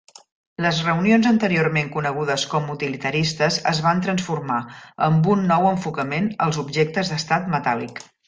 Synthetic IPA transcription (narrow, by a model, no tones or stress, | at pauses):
ləzrəunionzənt̪əɾiormeŋkunəɣ̞uð̞əskɔmut̪ilit̪əɾist̪əzə̰zβ̞ant̪ɾənsfurmaəmbunːɔwəɱfukəmenə̰lˠzubʒek̚t̪əzðəst̪at̪mət̪alik